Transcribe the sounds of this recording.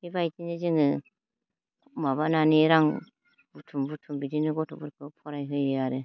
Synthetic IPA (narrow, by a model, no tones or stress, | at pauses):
hibajtined͡ʒiŋɯ | maβananeɾaŋ | butʰumbutʰumbidinɯɡɔtʰɔbuɾkɯpʰɔɾajɦɯjeaɾe